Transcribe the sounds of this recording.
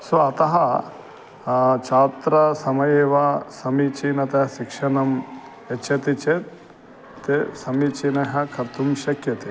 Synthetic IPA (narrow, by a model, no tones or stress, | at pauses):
soɐt̪ɐɦɐ | t͡ʃaːt̪ɾɐsɐmɐjeːʋɐsɐmit͡ʃinɐt̪ɐʃikʂɐnɐm | et͡ʃʰɐt̪it͡ʃet̪ | t̪esɐmit͡ʃinɐɦɐkʰɐɾt̪umʃɐkjɐt̪e